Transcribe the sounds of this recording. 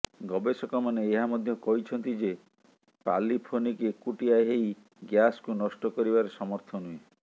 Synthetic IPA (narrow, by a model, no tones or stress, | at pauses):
ɡɔbesɔkɔmaneːɦamɔd̪ʱjɔkɔɦit͡ʃʰɔnt̪id͡ʒe | pa̰lipʰonikekuʈiaɦeij | ɡjaskunɔsʈɔkɔɾibaɾesɔmɔɾt̪ʰɔnue